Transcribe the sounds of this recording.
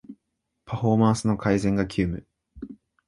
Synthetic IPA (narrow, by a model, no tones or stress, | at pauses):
pʰaɸo̞mãɰ̃sɨno̞kʰaizẽ̞ŋɡakʲʰɨːmɯ̟